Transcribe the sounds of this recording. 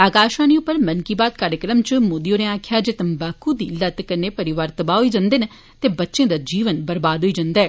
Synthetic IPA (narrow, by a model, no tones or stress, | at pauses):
aːkaːʃãːniːʊpːəɾmənkiːbaːt̪̚kaːɾjəkɾəmt͡ʃmoːd̪ioːɾẽãːkʰjaːd͡ʒeːt̪əmbaːkuːd̪iːlət̪kəneːpəɾɪʋaːɾt̪əbaːɦoiːd͡ʒãːnd̪eːne | t̪eːbətːʃẽːd̪aːd͡ʒiːʋənbəɾbaːd̪ɦoiːd͡ʒãnd̪aːɛː